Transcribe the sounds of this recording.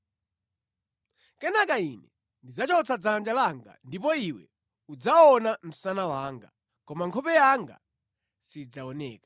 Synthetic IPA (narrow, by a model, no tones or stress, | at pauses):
kɛnakainɛ | ndid͡zat͡ʃɔt͡sʰad͡zand͡ʒalaŋɡa̰ndip̬ɔiwɛ̰ | ud͡zaɔnam̩sanawaːŋɡa̰ | kɔmaŋkʰɔpɛjaŋɡa̰ | sid͡zaɔnɛ̰ːkḁ